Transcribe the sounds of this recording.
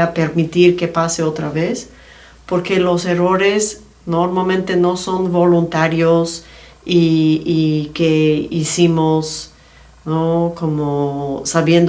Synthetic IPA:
ape̞ɾmit̪iɾke̞paseot̪ɾaβes | po̞ɾke̞lo̞se̞ro̞ɾe̞s | noɾmalmẽnt̪e̞no̞so̞nbo̞lunt̪aɾjos | iikeisimos | noko̞mosaβje̞nd̪

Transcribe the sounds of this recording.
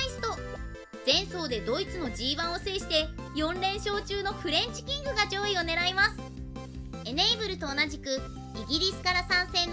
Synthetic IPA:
isɨ̥t̪o̞ | zẽ̞ɰ̃so̞ːd̪e̞d̪o̞it͡sɨno̞d͡ʑiːβãɰ̃o̞se̞ːɕi̥t̪e̞jõ̞nɾẽ̞ɰ̃ɕo̞ːt͡ɕɨːno̞ɸɯ̟ɾẽ̞ɲt͡ɕi̥kʲĩŋɡɯ̟ɡad͡ʑo̞ːio̞ne̞ɾaimasɨ̥ | e̞ne̞ːbɯ̟ɾɯ̟t̪o̞ːnaʑikɯ̟ | iɡʲiɾʲisɨ̥kaɾasãɰ̃sẽ̞nː

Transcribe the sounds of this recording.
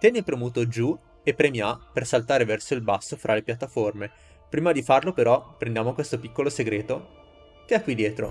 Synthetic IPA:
t̪jɛnepɾomuːt̪od͡ʒu | epːɾemjapersalt̪aːɾevɛrsoilbasːofɾʔalepjat̪ːaforme | pɾiːmad̪ifarlopeɾɔpɾẽnd̪jaːmokwest̪opikːoloseɡɾeːt̪o | keakːwid̪jɛːt̪ɾo̰

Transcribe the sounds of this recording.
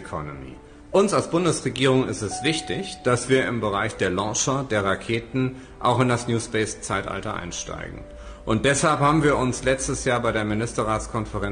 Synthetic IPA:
kʰɔnomḭː | ʔʊnsalsb̥ʊndəsʁeɡiːʁ̞ʊŋɪ̰stɛsv̥ɪçtɪçd̥asv̥iːɐɪ̰mbəʁaɪçd̥eːɐlɔːʃɐdeːɐʁakʰeːtn̩ | ʔa̰ʊxɪndasnjuːsb̥ɛɪst͡saɪtʔa̰ltɐʔa̰ɪnʃta̰ɪɡŋ̩ | ʔʊnt̚d̥ɛshalphaːbm̩viːɐʊnslɛt͡stəsjaːɐbaɪɾeːɐmɪnɪstɐʁaːt͡skʰɔnfəʁɛ

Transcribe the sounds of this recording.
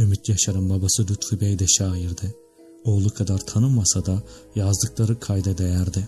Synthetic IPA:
ymyt̪jaʃaɾɯmbabasɯd̪yt̪fibɛjd̪ɛʃaːjiɾd̪ɪ | olˠukʰad̪aɾt̪ʰanɯmːasad̪a | jazd̪ɯklˠaɾɯkʰajd̪ad̪ejæɾd̪ɪ

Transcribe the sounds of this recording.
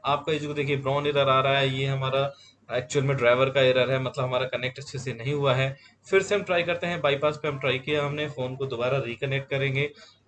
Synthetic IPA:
aːp̚kaɪd͡ʒkod̪eːkʰiebɾɔ̃ːnɪɾəɾaːɾaaɦɛjeːɦɐmaːɾa | ɛːk̚t͡ʃuəlmẽɖɾaːɪʋəɾkaɪɾəɾɦɛmɐt̪ləbɦɐmaːɾakɐnek̚ʈɐtːʃʰesenɐɦĩɦuaɦɛː | fɪɾseɦɐ̃mʈɾaːjkɐɾt̪eɦɛ̃baːipaːspeɦɐmʈɾaːikijaɦɐmnefoːnkod̪obaːɾaɾiːkɐnek̚ʈ̚kɐɾẽːɡeː

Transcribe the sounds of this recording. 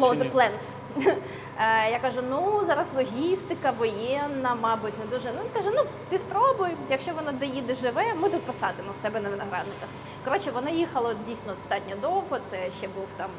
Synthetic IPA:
lˠozɐplˠɛns | jakɑʒʊnuzɑɾɐslˠɔɦʲist̪ɪkɐʋɔjɛnːɐmɑbʊtʲnɛd̪uʒɛnʊinkaʒɛnut̪ɪspɾɔbʊjjɐkʃt͡ʃɔʋɔnɔd̪ɔjid̪ɔʒɪʋɛmɪt̪ut̪̚pɔsɑd̪ɪmɔwsɛbɛnɐʋɪnɐɦɾɑ̰d̪nɪkɐx | kɔɾɔt͡ʃɛʋɔnɑjixɐlˠɔdʲijsʲnɔɔst̪ɑtʲnʲɔd̪ɔwɦɔt̪sɛʃt͡ʃɛbuwt̪ɑm

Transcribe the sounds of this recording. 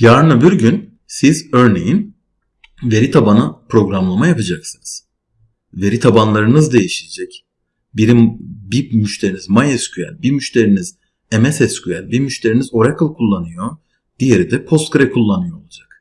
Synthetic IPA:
jaːɾɯnɯbiɾɟyn | sizø̞ɾne̞jin | ve̞ɾit̪ʰabanɯpʰɾo̞ɡɾamlˠamajapʰad͡ʒaksɯnɯz̥ | ve̞ɾit̪ʰabanlˠaɾɯnɯzd̪e̞jiʃiled͡ʒɛc | biɾimbimyʃt̪ʰe̞ɾinizmajɛscʰyæ̰lʲbimyʃt̪ʰe̞ɾiniz̥ | emɛsɛscʰyælʲbiɾmyʃt̪ʰe̞ɾinizo̞ɾakʰɯlˠkʰulˠːanɯjo | d̪̥ije̞ɾid̪ɛpʰo̞st̪̚ɡɾɛkʰulˠːanɯjo̞ːlˠud͡ʒak̚

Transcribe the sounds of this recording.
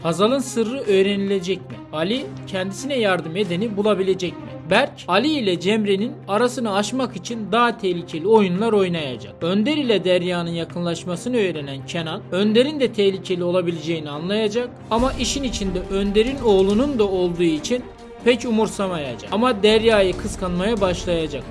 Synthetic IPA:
hazalˠɯnsɯɾːɯʔøjɾenilʲe̞d͡ʒɛc̚mḭalʲicʰɛnd̪isinɛjaɾd̪ɯme̞d̪e̞nibulˠabilʲe̞d͡ʒɛcmḭbælʲcʰalʲiːlʲɛd͡ʒɛmɾeninaɾasɯnɯaʃmakit͡ʃʰind̪aɦat̪ʰɛhlʲicʰe̞lʲio̞junlˠaɾo̞jnaja̰d͡ʒa̰k̚ønd̪eɾilʲɛd̪æɾjaːnɯnjakʰɯnlˠaʃmasɯnɯø̞jɾenæncʰenanʲˠø̞nd̪e̞ɾind̪ɛt̪ʰɛçlʲicʰe̞lʲio̞lˠabilʲed͡ʒe̞jinianlˠajad͡ʒak̚ | amaʔiʃinit͡ʃʰind̪ɛʔønd̪e̞ɾino̞ːlˠunund̪ao̞lˠd̪uːit͡ʃʰin | pʰɛcumuɾsamaja̰d͡ʒaamad̪æɾjaːjɯkʰɯskʰanmajabaʃlˠajad͡ʒak̚

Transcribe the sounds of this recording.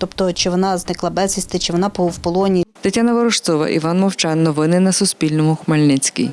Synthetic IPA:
t̪ɔpt̪ɔt͡ʃɪʋɔnɑznɪklˠɑbɛzʲisʲt̪ɪt͡ʃɪʋɔnɑpɔwpɔlˠɔnʲit̪ɐtʲːanɐʋɔɾɔʃt̪sɔʋɐ̰ʔḭʋɑnmɔwt͡ʃɑnːɔʋɪnɪnɐsʊspʲilʲnɔmʊxmɐlʲnɪt͡sʲkḭj

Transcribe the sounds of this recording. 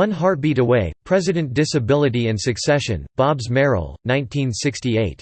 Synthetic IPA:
ʌ̃nɦɑɹt̚b̥iɾəweɪpʰɹ̥ɛzɨɾɨ̃nd̥ɪsɨbɪlˠɨɾiɨ̃nsɨksɛʃɨ̰̃nb̥ɑbzmɛɹ̰l̩ˠnãɪ̃ntʰĩnsɪkstieɪt̚

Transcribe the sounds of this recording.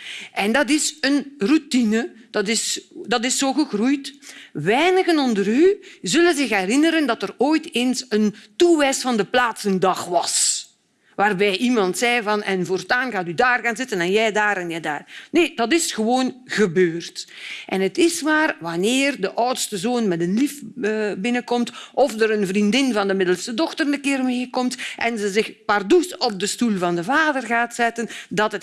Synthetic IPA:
ʔɛndɑt̬ɪsənrutinəd̥ɑtɪsdɑtɪsːoːɣəɣrujtʋɛjnəɣənɔndəɾyzɵlənzɪxɦɛɾɪnəɾəndɑtəroːjteːnsəntuʋɛjsfɑndəplaːtsəndɑxʋɑs | ʋaːrbɛjʔimɑntsɛjvɑnɛnvortaːnɣaːtydaːrɣaːnzɪtənɛnjɛjdaːɾɛnjɛjda̰ːrneːd̥ɑtɪsxəʋoːnɣəbøːrtʔɛnətɪsmaːrʋɑnɪːrdəʔœwtstəzoːnmɛdənlifəːbɪnəkɔmtʔɔfdəɾənvrindɪnvɑndəmɪdəlˠsədɔxtərnəkɪːrmeːkɔmtʔɛnzəzɪxpardusɔb̚dəstulˠvɑndəvaːdərɣaːtsɛtəndɑtət

